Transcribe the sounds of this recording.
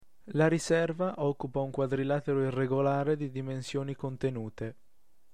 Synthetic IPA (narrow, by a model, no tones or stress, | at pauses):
laɾisɛrvaʔɔkːupauŋkwad̪ɾilat̪eɾoireɡolaːɾed̪id̪imensjoːnikont̪enuːt̪e